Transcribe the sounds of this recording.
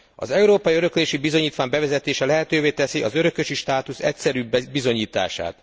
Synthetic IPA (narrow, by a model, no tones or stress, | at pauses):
ɒ̰zɛuɾoːpɒjiøɾøkleːʃibizo̞ɲiːt̪ʋaːɲbɛvɛzɛt̪eːʃɛlɛɦɛt̪øːveːt̪ɛsiʔɒzø̞ɾø̞køʃiʃt̪aːt̪usɛcsɛɾyːbbizo̞ɲiːt̪a̰ːʃa̰ːt̪